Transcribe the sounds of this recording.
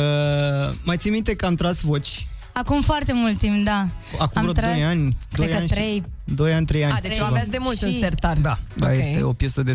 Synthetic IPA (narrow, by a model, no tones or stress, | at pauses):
ə | majt̪simit̪ekəamt̪ɾasvo̞t͡ʃʲ | akumfoart̪emult̪ːimpd̪aakumɾod̪o̞janʲd̪oejənnɾej | d̪o̞janʲt̪ɾe̞jand̪eavvasd̪emult̪ɨnsert̪ard̪ad̪ajest̪ḛopjesəd̪e